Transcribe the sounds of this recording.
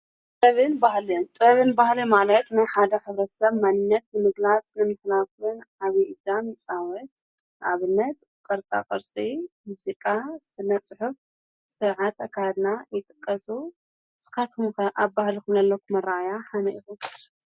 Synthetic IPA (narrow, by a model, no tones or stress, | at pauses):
t̪ʼɐβɨnbahliomt̪ʼɐβɨnbahlimalɐt̪najħad̪ɐħɨβɾɐsɐβmanɨnːɐt̪̚nɨmɨɡlat͡sʼnɨmɨħlakunʕaβiʔid̪amt͡sʼawɔt̪ | ʔaβɨnːɐt̪ | kʼɐɾt̪ʼa̰kʼɐɾsʼimusikʼasɨnːɐsʼɨħɨf | sɨʕat̪ɐkʰːad̪najɪt̪ʼɨ̥kʼːɐsu | sɨ̥kat̪ʰumkɐʔaβbahlikumlɐlːɐkʰumɐrajaħanɐʔixum